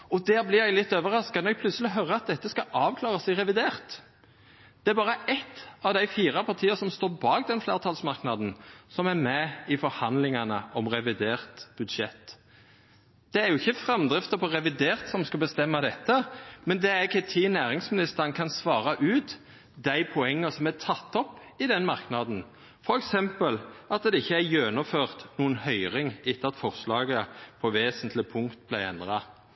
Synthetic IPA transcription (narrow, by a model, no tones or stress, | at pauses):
ɔd̪æːɾblɪjæɡlɪt̪ːøːʋəɾɑskkɑnɛɡ̚pʰlʉsəlɪɦœɾəɑt̪̚d̪ɛt̪ːəskɑʔɑːʋkʰlɑːʁɑsɛɪʁɛʋɪd̪eːʁt̪ | d̪̥ɛæɾbɑːʁəɛt̪ːɑʋd̪æɪfiːʁɑpʰɑʁt̪ʰiːəɾsɔmst̪oːɾbɑːɡd̪ɛnflḛːʁt̪ʰɑːlsmɑʁknɑd̪n̩sɔmæɾmɛɪfɔɾhɑnd̪lɪŋɑnə̰ɔmʁɛʋɪd̪eːʁt̪b̥ʉd̪ʂɛ̰t̪ː | d̪̥ɛæɾjʊɪçːəfʁɛmd̪ɾɪft̪əpʰɔʁɛʋɪd̪eːʁt̪sɔmskɑbəst̪ɛmːɑd̪ɛt̪ːəmɛnd̪ɛæɾɪçːət̪ʰɪnæːɾɪŋsmɪnɪst̪əɾənkʰɑnsʋɑːɾɑʔʉːt̪ | d̪æɪpʰɔɛŋːəsɔmæt̪ʰɑt̪ːɔpː | ɪd̪ɛnmɑʁknɑd̪n̩ | fɔɾɛksɛmpəlʔɑt̪̚d̪ɛɪçːəæɾjøːnʊføːʁt̪nuːənhœʏɾɪŋɪt̪ːəɑt̪fɔʁslɑːɡəpʰɔʋeːsənt̪ʰlɪpʰʊŋkt̪̚blæɪɛ̰nd̪ʁɑ